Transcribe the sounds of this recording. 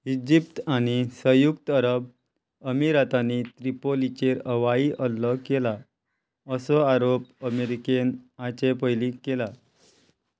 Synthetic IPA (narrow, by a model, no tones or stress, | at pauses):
id͡ʑip̚t̪aɽ̃isəjukt̪əɾəb | əmiɾat̪anit̪ɾipolit͡ɕeɾəʋaiʔəlːəkela | əsɔaɾop̚əmeɾikenat͡ɕepəjlikela